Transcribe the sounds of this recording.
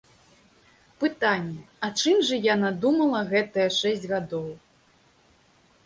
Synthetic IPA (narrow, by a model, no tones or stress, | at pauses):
pɨt̪anʲːɛ | ɐt͡ʂɨmʐɐjanad̪umɐlˠɐɣɛt̪ɐjɛʂɛsʲd͡zʲɣad̪ɔw